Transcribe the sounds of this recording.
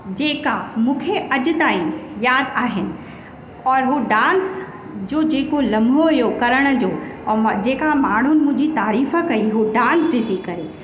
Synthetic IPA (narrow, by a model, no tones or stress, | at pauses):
d͡ʑeːkamũːkʰeʔɐd͡ʑʊ̆t̪aːĩjaːd̪aːɦɪnɪ̆ | ɔːɾɦoːɖãːns | d͡ʑoːd͡ʑeːkolɐ̃mbʱoijoːkɐɾəɽ̃ə̆d͡ʑoːd͡ʑeːkamaːɳ̤unɪ̆mʊ̃ɦɲd͡ʑit̪aːɾiːfə̆kɐiɦoɖãːnsɖɪsikɐɾeː